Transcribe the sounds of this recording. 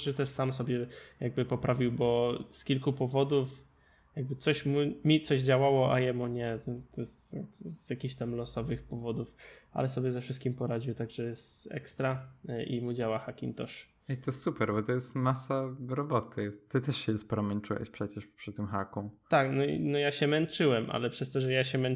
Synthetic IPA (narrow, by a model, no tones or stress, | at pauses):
ʐɛt̪ɛʂsamsɔbʲjɛjaɡ̚bɘpɔpɾʔavʲiwbɔskʲilkupɔvɔd̪uf | jaɡ̚bɘt̪sɔɕmumʲit̪sɔʑd͡ʑawawɔʔa̰jɛmuɲɛt̪ɔjɛst̪azjakʲixɕt̪amlɔsɔvɘxpɔvɔd̪ufa̰lɛsɔbʲjɛzɛfʂɘst̪kʲimpɔɾad͡ʑiwt̪aɡʐɛjɛst̪ɛ̰kst̪ɾaʔḭmud͡ʑawaxakʲḭnt̪ɔʂ | it̪ɔssupɛɾbɔt̪ɔjɛst̪masaɾɔbɔt̪ʰɘt̪ɨt̪ɛʂɕɛɛsspɔɾɔmɛnt͡ʂuwɛ̰ɕpʂɛt͡ɕɛʂpʂɘt̪ːɘmxakũmt̪aknɔḭnɔjaɕɛmɛnt͡ʂɘwɛmʔa̰lɛpʂɛst̪ɔʐɛjaɕɛmɛn